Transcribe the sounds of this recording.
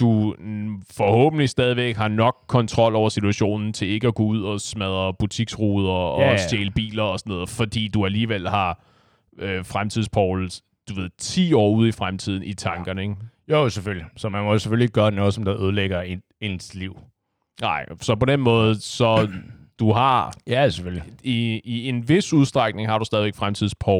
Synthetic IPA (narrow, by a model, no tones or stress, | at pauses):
d̥u | fɒ̽hɔ̰̽ːb̥n̩lisd̥ɛːðˠiʋeɡɡ̥hɑ̈nɒ̽ɡ̥̚kʰːɒ̽nt͡sʰʁɒ̽l̰ɒʊ̰ɐsit͡sʰuæɕo̝̰ːnn̩t͡sʰe̝e̝ɡ̥əæɡ̥ɔːuð̞̰ˠɒ̽smæð̞ˠɐb̥ut͡sʰiɡ̥sʁuːð̞ˠɐɒ̽seːləb̥ḭːlɐɒ̽sɒnɔ̽ːðˠfɒ̽d̥ḭːd̥uæliːʋel̰hɑ̈ | øfʁamt͡sʰið̰ˠspʰɒʊl̩ | d̥uʋe̝ð̰̩ˠt͡sʰḭːɒ̰ːuð̞ˠifʁamt͡sʰið̞̰ˠn̩it͡sʰɑ̈ŋɡ̥ɐnəeɡ̥joseføllisɒ̽mænmɔsefølliɡ̥ɶːɐnɔ̽ːð̩ˠsɒ̽md̥ɑ̈ʔøð̞ˠleɡ̥ɐe | ensliʊ̰ | nɑ̈ɪ̰sɒ̽pɒ̽d̥enmɔ̽ːð̩ˠsɒ̽d̥uɦɑ̈jæsefølliiie̝nʋe̝suð̞ˠsd̥ʁaɡ̥ne̝ŋhɑ̈ɾ̥usd̥ɛðˠiʋeɡ̥fʁamt͡sʰiðˠspʰɒ